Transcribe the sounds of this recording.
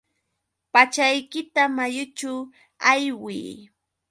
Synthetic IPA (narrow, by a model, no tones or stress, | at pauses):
pat͡ʃajkɪt̪amajʊt͡ʃaw | ajwḭː